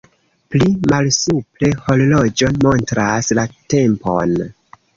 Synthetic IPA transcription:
plimalsuple̞ho̞lolo̞d͡ʒo̞nmo̞ntɾaslate̞mpo̞̰n

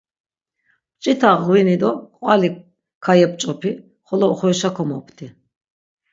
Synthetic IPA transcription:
pt͡ʃʼit̪ʰaʁwinid̪ɔkʼwali | kʰajɛp̚ʼt͡ʃʼɔpʰi | χɔlɔχɔjʃakʰɔmɔpʰt̪ʰi

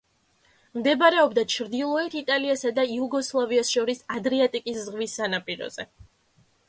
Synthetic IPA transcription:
md̪ɛbaɾɛɔbd̪at͡ʃʰɾd̪ilˠɔɛt̪ʰit̪ʼaliasad̪aiuɡɔslˠaviasʃɔɾisad̪ɾiat̪ʼikʼiszʁvisːanapʼiɾɔ̰z̥ɛ

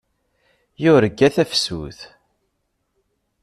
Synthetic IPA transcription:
jʊɾəɡːæθæfsṵθ

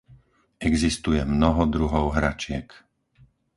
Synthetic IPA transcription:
ɛɡzist̪ujɛmnɔɦɔd̪ɾuɦɔʊɦɾat͡ʃɪɛk

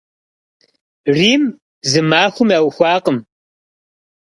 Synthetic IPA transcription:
riːm | zɨmaːxʷʊmɐwxʷɑːqəm

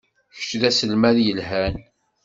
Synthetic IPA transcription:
çə̥t͡ʃːðæsəlmæðjəlɦæn

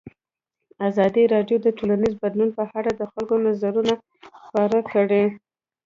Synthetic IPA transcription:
azɑd̪iɾɑɖjod̪əʈolanizbad̪lunpəhaɽad̪əxalkonazaɾuna | xpaɾakəɽe

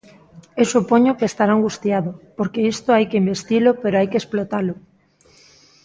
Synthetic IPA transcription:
ewsupoɲokeːst̪aɾaŋɡust̪jaðopoɾkeist̪oajkeimbest̪ilʊpeɾoajkesplot̪alʊ

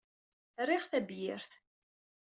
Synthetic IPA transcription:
riʁθæbjɪɾθ

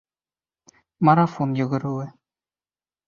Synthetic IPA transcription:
maɾafonjɵ̆ɣɵ̆ɾuwɘ

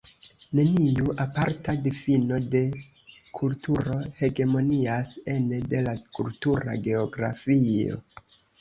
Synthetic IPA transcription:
ne̞niuʔapaɾtadifino̞de̞ | kʰultʰuɾo̞he̞ɡe̞mo̞niase̞nede̞lakultuɾa̰ɡe̞oɡɾa̰fio̞̰

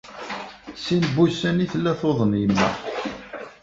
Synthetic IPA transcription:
sinbusæniθlːæθoðˤənjəmːæ̰

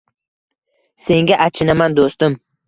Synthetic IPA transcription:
se̞ŋɡʲaʔat͡ʃʰɪnamand̪ost̪ɪm

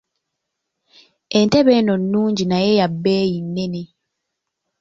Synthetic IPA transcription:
e̞nte̞βeːno̞nːuːɲɟinajejabːeːjinːene

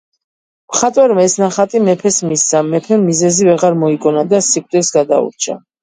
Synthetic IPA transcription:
mχat̪ʼwɛɾmaɛsnaχat̪ʼimɛpʰɛsmisammːɛpʰɛmːizɛzivɛʁaɾmɔikʼɔnad̪asikʼt̪ʼɛsɡad̪a̰ṵɾt͡ʃʰa̰

